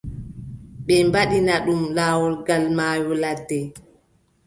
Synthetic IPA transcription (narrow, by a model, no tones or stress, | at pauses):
ɓɛmbaɗinaɗumlaːwɔlɡalmaːjɔladːɛ